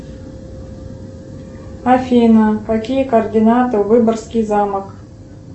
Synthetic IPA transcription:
afʲinakakʲijɛkord̪ʲinat̪ɨuvɨbɐrskʲijzamak

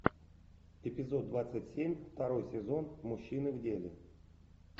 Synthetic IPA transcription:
ɪpʲɪzo̞d̪̚ːvat̪sɨtʲsʲemʲft̪ɐɾo̞jsʲɪzo̞nmuɕːinɨvdʲelʲɪ̰

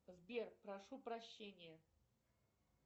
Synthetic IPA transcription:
zbʲerpɾɐʂupɾɐɕːenʲɪjə

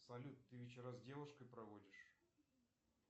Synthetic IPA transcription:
sɐlʲut̪ːɨvʲɪt͡ɕɪɾazdʲevʊʂkəjpɾɐvodʲɪʂ

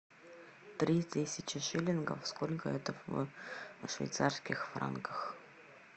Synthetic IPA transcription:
t̪ɾʲit̪ʲesʲɪt͡ɕɪʃilʲɪnɡə̰fskolʲkəɛt̪əfvə̰ʂvʲḛjt̪sarskʲɪxfra̰nkəx

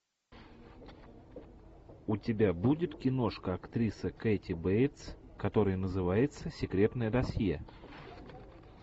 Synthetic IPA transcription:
ʊtʲɪbʲabudʲɪt̪kʲɪno̞ʂkəɐkt̪ɾʲisəketʲɪbejt̪s | kɐt̪o̞ɾɨjənəzɨvajɪt̪səsʲɪkɾʲet̪nəjəd̪ɐsjjḛ

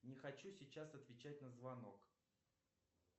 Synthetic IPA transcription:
nʲɪxɐt͡ɕusʲɪt͡ɕasɐt̪vʲɪt͡ɕæt̚ʲnəzvɐno̞k

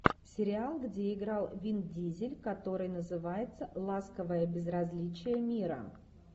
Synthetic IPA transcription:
sʲɪɾʲɪalˠɡdʲeɪɡɾalˠvʲindʲizʲɪlʲkɐt̪o̞ɾɨjnəzɨvajɪt̪səlˠaskəvəjəbʲɪzɾɐzʲlʲit͡ɕɪjəmʲiɾə̰

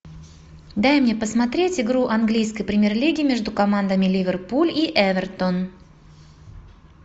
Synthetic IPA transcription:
d̪ajmnʲe̞pəsmɐt̪ɾʲetʲɪɡɾuʔɐnɡlʲijskəjpɾʲɪmʲɪrlʲiɡʲɪmʲe̞ʐd̪ʊkɐmand̪əmʲɪlʲivʲɪrpulʲiʔɛvʲɛrt̪on

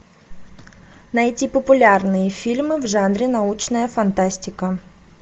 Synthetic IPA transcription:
nɐjtʲipəpʊlʲarnɨjəfʲilʲmɨvʐanɾʲɪnɐut͡ɕnəjəfɐnt̪asʲtʲɪkə

